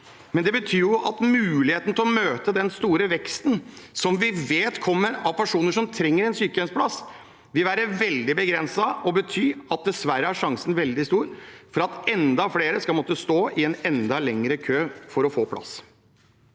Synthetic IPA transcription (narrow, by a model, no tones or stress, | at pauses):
mɛnd̪ɛbət̪ʰyːjʊʔɑt̪mʉːlɪheːt̪nət̪ʰɛlɔmøːt̪əd̪ɛnst̪uːɾəʋɛkst̪nsɔmʋɪʋeːt̪kʰɔmːəɾɑʋpʰæʂuːnəʂɔmt̪ʰɾɛŋːəɾɛnsyːkəɛnspʰlɑs | ʋɪlʋæːɾəʋɛld̪ɪbəɡɾɛnsɑɔbət̪ʰyːɑt̪̚d̪ɛsʋæɾəæʂɑŋsənʋɛld̪ɪst̪uːɾfɔɾɑt̪ɛnd̪ɑfleːɾəskɑlmɔt̪ːəst̪oːʔɪɛnɛnd̪ɑlɛŋɾəkʰøːfɔɾɔfoːpʰlɑ̰s